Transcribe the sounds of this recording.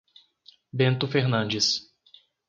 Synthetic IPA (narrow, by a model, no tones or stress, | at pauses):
bẽnt̪ʊfeɾnɐ̃nd͡ʒɪs